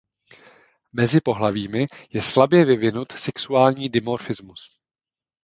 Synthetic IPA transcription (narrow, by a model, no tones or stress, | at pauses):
mɛzɪpo̞ɦlaviːmɪjɛslabjɛvɪvɪnut̪sɛksuaːlɲiːdɪmoɾfɪzmus